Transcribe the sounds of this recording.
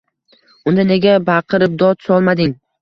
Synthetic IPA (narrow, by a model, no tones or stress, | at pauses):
ʊnd̪ane̞ɡʲabaqʰɨɾɪb̚d̪ɒt̪sɒlˠmad̪ɪŋ